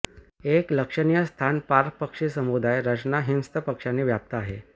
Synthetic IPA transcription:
ekləkʂənijəst̪ʰanpaɾk̚pəkʂisəmud̪ajɾət͡ɕnaɦinst̪əpəkʂaniːʋjap̚t̪aaɦe

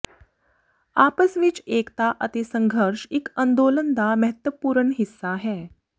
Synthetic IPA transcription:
apəsʋiːt͡ʃekt̪aʔət̪isəŋɡʱəɾʂikənd̪olənd̪aməɦət̪ʋəpuːɾəɳɦisːaɦɛ

